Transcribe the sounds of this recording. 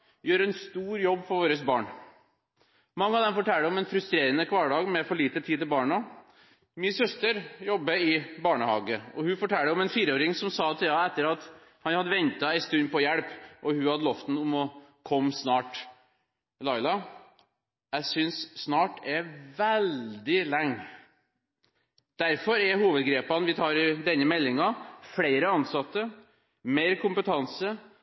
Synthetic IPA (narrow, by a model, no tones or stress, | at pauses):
jøːɾɛnst̪uːɾjɔbːfɔɾʋoːɾəsbɑːɳ | mɑŋːəɑʋd̪ɛmfɔʈʰɛlːəɔmɛnfɾʉst̪ɾeːɾənəkʰʋɑːɖɑːɡmɛfɔɭiːt̪ət̪ʰiːd̪t̪ɪlbɑːɳə | mɪsœst̪əɾjɔbːəɪbɑːɳəhɑ̰ːɡəɔhʉfɔʈʰɛlːəɔmɛnfiːɾəoːɾɪŋsɔmsɑːt̪ʰɪlɑːɛt̪ːəɾɑt̪ | hɑnhɑd̪ːəʋɛnt̪ɑæɪst̪ʉnpɔjɛɽpʔɔhʉhɑd̪əlɔft̪n̩ʊmɔkʰɔmːsnɑːʈ | lɑɪlɑ | jæɪsʏnsːnɑːʈɛʋɛld̪ɪlɛŋː | d̪̥æɾfɔɾɛɾɦuːʋəd̪ɡɾeːpɑnʋɪt̪ʰɑːɾɪd̪ɛnːəmɛlːɪŋɑfɽeɪɾəɑnsɑt̪ːə | meɪɾkʰʊmpət̪ʰɑnsə